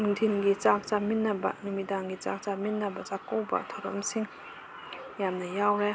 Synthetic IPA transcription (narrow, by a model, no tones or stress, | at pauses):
ŋdʰʱinɡit͡ʃak̚t͡ʃaminːɐbɐ̰numidaŋɡit͡ʃa̰k̚t͡ʃaminːɐbɐzakːowbɐ̰tʰawɾɐ̰msiŋ | jamnɐjawɾe